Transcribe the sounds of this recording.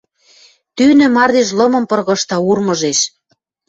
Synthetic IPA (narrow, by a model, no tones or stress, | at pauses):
t̪ynø̆mɑrd̪eʃ̬lɤ̆mɤ̆mpɤ̆rɣɤ̆ʃt̪ɑurmɤ̆ʒeʃ